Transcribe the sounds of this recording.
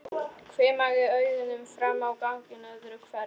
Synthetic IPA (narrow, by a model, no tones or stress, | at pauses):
kʰvɛːmaɣɪœːɥðɪnʏmfɾamːawkawŋ̥cɪnœðɾʏkʰvɛɾ